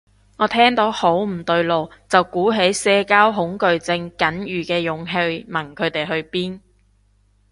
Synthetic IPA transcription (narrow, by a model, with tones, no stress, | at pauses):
ŋɔː˨˧˥t̪ʰɛː˥ŋt̪o˨˥who˨˥wm̩˨˩t̪ɵ˧ɥlo˨˧wt͡sɐ˨wkuː˨˥ɦe˨˥jsɛː˧kaː˥wɦʊ˨˥ŋkɵ˨ɥt͡sɪ˧ŋkɐ˨˥njyː˨˩kɛː˧jʊ˨ŋɦe˧jmɐ˨˩ŋkʰɵ˨˧ɥt̪e˨˩jɦɵ˧ɥpiː˥n